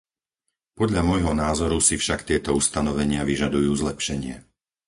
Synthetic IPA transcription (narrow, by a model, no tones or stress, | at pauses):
pɔd̪ʎamɔjɦɔnaːzɔɾusifʃakt̪ɪɛt̪ɔust̪anɔʋɛɲɪaʋiʒad̪ujuːzlɛpʃɛɲɪɛ